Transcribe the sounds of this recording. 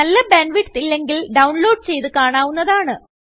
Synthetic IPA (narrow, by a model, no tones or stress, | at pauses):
ɐlːɐbenʋiʈːt̪ilːe̞ŋɡilɖɐwuɳlo̞ːɖ̚t͡ɕe̞jt̪ɨkaːɳaːʋunːɐðaːɳɨ